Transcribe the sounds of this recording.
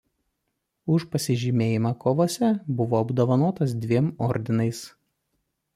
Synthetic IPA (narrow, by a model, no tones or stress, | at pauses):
ʊʃpɐsʲɪʒʲimʲeːjɪmɑkoːʋoːsʲɛbʊʋoːɐbd̪oːʋɐnoːt̪ɐsd̪ʲʋʲiɛmɔɾʲd̪ʲɪnɐɪs